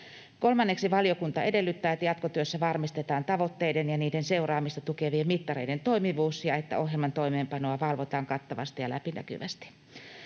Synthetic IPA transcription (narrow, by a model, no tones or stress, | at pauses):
kolmɑnːeksiʋɑljokunt̪ɑedelːyt̪ːæːet̪ːæjɑt̪kot̪yøsːæʋɑrmist̪et̪ɑːnt̪ɑʋot̪ːeidenjɑniːdenseurɑːmist̪ɑt̪ukeʋiemmit̪ːɑreident̪oimiʋuːsjɑet̪ːæ̰ohjelmɑnt̪oimeːmpɑnoɑʋɑlʋot̪ɑːŋkɑt̪ːɑʋɑ̰st̪ijɑlæpinæ̰ky̰ʋæst̪i̥